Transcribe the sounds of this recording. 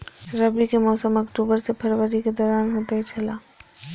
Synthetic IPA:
ɾɐbikemɔːsəmɐkʈuːbəɾsepʰɐɾwəɾiked̪ɔːɾaːnɦoːt̪aɦɛt͡ʃʰɐlaː

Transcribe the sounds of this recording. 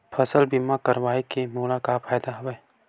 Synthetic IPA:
pʰɐsəlbimakɐɾʋaːikemuːlakapʰaːjd̪aɦɐʋe

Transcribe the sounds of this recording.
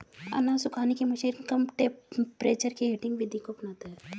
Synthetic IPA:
ɐ̰nãːsʊkʰaːnikemɐʃiːɾkɐmʈepɾeːt͡ʃəɾkeɦeːʈɪ̃ŋɡbʱɪd̪ʱikopnaːt̪aɦɛ

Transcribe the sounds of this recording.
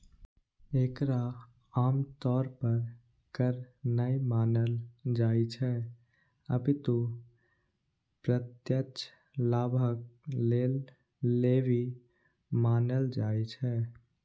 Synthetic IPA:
ekɾa | aːmt̪ɔːɾpəɾ | kəɾnəjmaːnəld͡ʒajt͡ʃʰɛ | ə̰bit̪o | pɾət̪jət͡ʃʰ | laːbʱək̚lelː | eʋi | maːnəld͡ʒajt͡ʃʰɛ

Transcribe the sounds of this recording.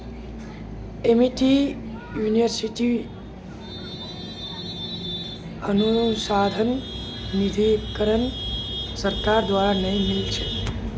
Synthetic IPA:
emiʈi | juniʋəɾsiʈi | ənusad̪ʱən | nid̪ʱikəɾənsəɾkaɾd̪ʋaɾanəĩmilt͡ʃʰe

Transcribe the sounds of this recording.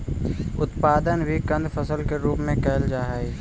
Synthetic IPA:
ʊt̪paːd̪ənbʱikə̃nd̪fʰəsəlkeɾuːpmẽkɛːld͡ʒaːɦai

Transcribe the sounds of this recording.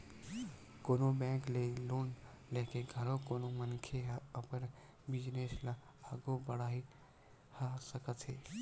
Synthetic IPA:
konobɛ̃klelon | lekeɡʱəɾokonomənkʰeɦəpən | bid͡ʒnesla | aɡobəɽaɦi | hasəkət̪ʰe

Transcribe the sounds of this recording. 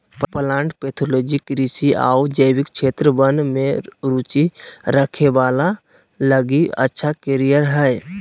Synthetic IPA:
ppəlãːɳʈpeːt̪ʰoloːd͡ʒikɾisia̰ud͡ʒəɪwɪkt͡ʃʰeːt̪ɾəbənmẽɾuːt͡ʃiɾəkʰeʋaːla | ləɡiə̰tːʃʰakeɾijəɾɦɛj

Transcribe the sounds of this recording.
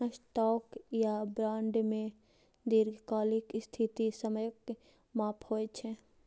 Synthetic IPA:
sʈɔːkjabɾãːɳɖmẽ | d̪iːɾkaːlɪkst̪ʰɪt̪isəməjək | maːphoːet͡ʃʰɛː

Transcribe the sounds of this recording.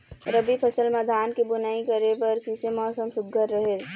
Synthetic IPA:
ɾəbipʰəsəlməd̪ʱaːnkibʊnaikəɾepɐɾkisemɔːsəmsʊd̪ʱəɾːəɦe

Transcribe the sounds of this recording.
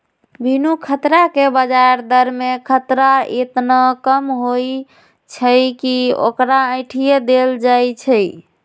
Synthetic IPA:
bʱinukʰət̪ɾakebəd͡ʒaɾd̪əɾmekʰət̪ɾaet̪nakəmɦoj | t͡ʃʰəjkio̰kɾaə̃ɪʈʰijed̪eld͡ʒajt͡ʃʰəj

